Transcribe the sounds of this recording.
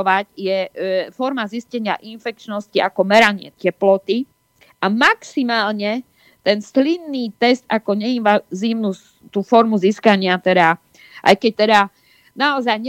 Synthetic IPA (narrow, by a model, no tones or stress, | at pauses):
ʋacjɛfɔɾmaziscɛɲɪa̰ʔinfɛk̚t͡ʃnɔsciakɔmɛɾaɲɪɛ̰tɛplɔt̪i | ʔamaksimaːlɲɛ | t̪ɛnslinːiːt̪ɛst̪akɔɲɛinʋaziːʊnu | t̪uːfɔɾmuziskaɲɪat̪ɛd̪a | ʔa̰jkɛc̚t̪ɛd̪a | naɔzajɲɛ